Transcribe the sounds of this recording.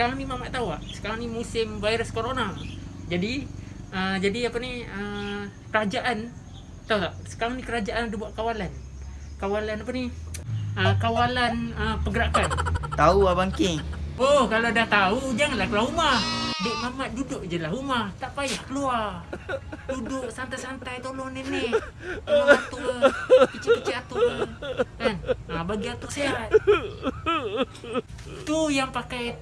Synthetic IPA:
sə̥kaɾaŋnimamaʔt̪auaʔsə̥kaɾaŋnimusɪmvaiɾəskoɾonad͡ʒadi | əd͡ʒadiapaniəkəɾad͡ʒaʔan | t̪aut̪aʔsə̥kaɾaŋnikəɾad͡ʒaʔanadabuaʔkawalan | kawalanapani | əkawalanəpəɡəɾakant̪auabaŋkɪŋokalodaht̪aud͡ʒaŋanlahkəluaɦumahdoʔmamat̪̚dudʊʔd͡ʒəlaɦumaht̪aʔpajahkəluar | dudʊʔsant̪ajsant̪ajt̪olɔŋnenɛhoat̪ulkit͡ʃikit͡ʃiat̪ulkanəbaɡiat̪ʊʔseɦat̪ | t̪ujaŋpakaj

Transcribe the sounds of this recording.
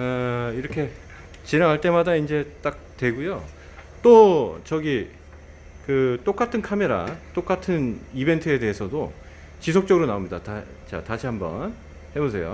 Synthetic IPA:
ʌiɾʌkʰe̞ | t͡ɕinaŋɦaɭt͈e̞madaind͡ʑe̞t͈ak̚twe̞ɡujo | t͈ot͡ɕʌɡi | kɯt͈ok͈atʰɯnkʰame̞ɾa̰t͈ok͈atʰɯnibe̞ntʰɯe̞de̞ɦesʰʌdo | t͡ɕis̬ʰok̚t͡ɕ͈ʌɡɯɾonaomɲidata | t͡ɕa̰taɕʰiɦambʌ̰n | he̞bosʰe̞jo̰

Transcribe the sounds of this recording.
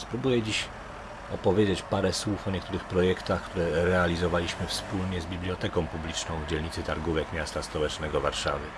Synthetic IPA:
spɾubujɛd͡ʑiɕ | ɔpɔvʲjed͡ʑet͡ɕpaɾɛswufɔɲɛk̚t̪uɾɘxpɾɔjɛkt̪axkt̪uɾɛɾɛalʲizɔvalʲiɕmɘfspulɲɛzbʲiblʲijɔt̪ɛkɔ̃w̃publʲit͡ʂnɔ̃w̃vd͡ʑɛlɲit̪sɘt̪aɾɡuvɛkmʲjast̪aspɔwɛt͡ʂnɛɡɔvaɾʂa̰vɘ

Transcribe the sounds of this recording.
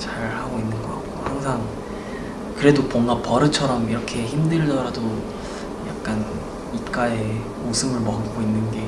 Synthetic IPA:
t͡ɕaɾhaɡoinːɯnɡʌkat̚k͈ohaŋsʰaŋ | kɯɾe̞dobʌŋɡapʌɾɯt͡ɕʰʌɾʌmiɾʌkʰe̞çimdɯɭdʌɾado | ja̰k̚k͈an | ip̚k͈ae | mosʰɯmɯɭmʌɦk͈oinːɯnɡe̞

